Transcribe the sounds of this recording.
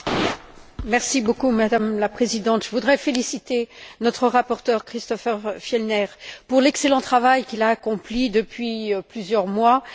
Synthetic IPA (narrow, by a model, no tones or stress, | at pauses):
mɛʁsibokumad̪amlapχezid̪ɑ̃t̪ʒ̥əvud̪ʁɛfelisit̪enɔt̪χəʁapɔʁt̪œʁkχist̪ɔfɛʁfjɛlnɛʁpuʁlɛkselɑ̃t̪χavajkʲilaːkɔ̃plid̪əpɥiplyzjœʁmwa